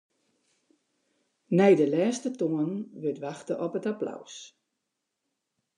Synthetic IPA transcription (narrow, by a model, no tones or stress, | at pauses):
nɛjdəlɛːstətoənʋøtʋaxtəʔɔpətapla̰ws